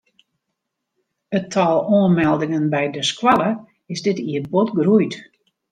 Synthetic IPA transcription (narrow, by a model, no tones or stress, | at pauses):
ətʰɔːlˠoənmɛlˠdɪŋənbɛjdəskwalə | ɪsdɪtiəbotɡrujt